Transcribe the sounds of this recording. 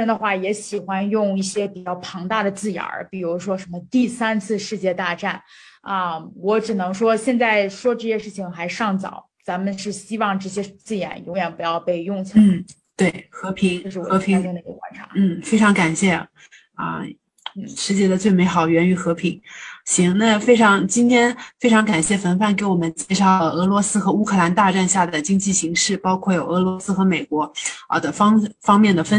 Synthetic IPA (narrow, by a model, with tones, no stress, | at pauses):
ɛ˥nd̪ə˨˧xwa˥˩jɛ˧˥ɕi˨˩xwa˥njʊ˥˧ŋi˥˩ɕjɛ˥pi˨˩t͡ɕjɑ˥˩ʊpʰɑ˧˥ŋt̪a˥˩d̪ə˩t͡sɹ̩˥˩ja̰˧˥pi˨˩ɻu˧˥ʂwɔ˥ʂə˧˥nmə˧t̪i˥˩sa˥nt͡sʰɹ̩˥˧ʂɻ̩˥˧t͡ɕjɛ˥˧t̪a˥˧ʈ͡ʂa˥˩n | ə˧wɔ˧˥ʈ͡ʂɻ̩˨˩nɤ˧˥ŋʂwɔ˥ɕjɛ˥˧nt͡sa˥˩ɪʂwɔ˥ʈ͡ʂɤ˥˩˧ɕjɛ˥˧ʂɻ̩˥˩t͡ɕʰi˨˩ŋxa˧˥ɪʂɑ˥˩ŋt͡sɑ̰˨˩˦ʊt͡sa˧˥mə˨nʂɻ̩˥˩ɕi˥wɑ˥˧ŋʈ͡ʂɤ˥˩ɕ̬jɛ˥t͡sɹ̩˥˩jɛ̰˧˥njʊ˧˥ŋjɛ˨˩npu˧˥jɑ˥˧ʊpe˥˧ɪjʊ˥˩ŋt͡sʰu˥n̩˥˩ | t̪we˥˩ɪxɤ˧˥pʰi˧˥ŋ˥˧ʂɻ̩˥˩ɔ̰˨˩ɤ˧˥i˧˥˧ŋ˥˧ŋd̪ə˧˥ə˧wa̰˥nʈ͡ʂʰa̰˧˥n̩˥˩fe˥ɪʈ͡ʂʰɑ˧˥ŋka˨˩nɕjɛ˥˩ | ə̰˧˥ | ʂɻ̩˧˥t͡ɕjɛ˥˩d̪ə˨t͡swe˥˩ɪme˧˥ɪxɑ˨˩ʊɥɛ˧˥ny˧˩xɤ˧˥pʰi˧˥ŋɕi˧˥ŋna˥˧fe˥ɪʈ͡ʂʰɑ˧˥ŋt͡ɕi˥nt̪ʰjɛ˥nfe˥ɪʈ͡ʂʰɑ˧˥ŋka˨˩nɕjɛ˥˩fə˧˥nfa˥˩nk̬e˧˥ɪwɔ˨˩mə˦nt͡ɕjɛ˥˧ʂɑ˥˩ʊlə˩ɤ˧˥lwɔ˧˥sɹ̩˥xɤ˧˥u˥kʰɤ˥˩la˧˥nt̪a˥˧ʈ͡ʂa˥˧nɕja˥˩d̪ə˩t͡ɕi˥ŋt͡ɕi˥˩ɕi˧˥ŋʂɻ̩˥˩pɑ˥ʊkʰwɔ˥˩jo˨˩ʊɤ˧˥lwɔ˧˥sɹ̩˥xɤ˧˥me˨˩ɪkwɔ˧˥ə̰˧˩d̪ə˩fɑ˥ŋfɑ˥ŋmjɛ˥˩nd̪ə˩fə˥